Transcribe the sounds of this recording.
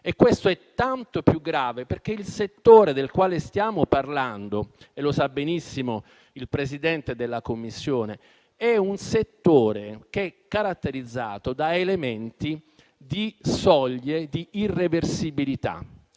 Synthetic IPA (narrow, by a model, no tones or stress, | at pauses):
ekːwest̪oɛt̪ːant̪opjuɡːɾaːveperk̟eilset̪ːoːɾed̪elkwaːlest̪jaːmoparland̪o | elːosabːenisːimo | ilpɾesid̪ɛnt̪ed̪elːakomːisːjoːne | ɛunset̪ːoːɾekeɛkːaɾat̪ːeɾid̪zːaːt̪od̪aelement̪i | d̪isɔʎːed̪iːrːeversibilit̪a̰